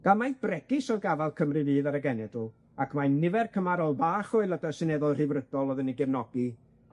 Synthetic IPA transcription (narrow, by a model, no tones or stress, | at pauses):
ɡ̥alˠmajb̥rɛɡɪsɔlˠɡavalˠkʰəmrɨvɨːðaɾəɡɛnɛdu | akʰmanɪvɛrkʰəmaɾɔlˠbaːχɔɨlˠədəsɨnɛðɔlˠr̥ɪvrədɔlˠɔðəniɡɛvnɔɡi